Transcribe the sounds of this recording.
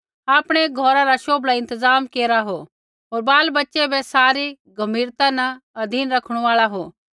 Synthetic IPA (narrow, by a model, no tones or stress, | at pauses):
aːpɽ̃eɡʱɔːɾaɾaʃoːbʱlaɪ̃nt̪əzaːmkeːɾaɦo | ɦoːɾbaːlbɐtːʃebʱesaːɾi | ɡʱɐmiːɾt̪anɐɐd̪ʱiːnɾɐkʰɽ̃aːɭaɦoː